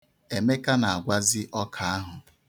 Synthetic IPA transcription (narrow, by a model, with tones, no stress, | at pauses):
e˨me˦ka˦na˨a˨ɡʷa˦zɪ˦ʔɔ˦kʰa˨a˦ɦʊ˨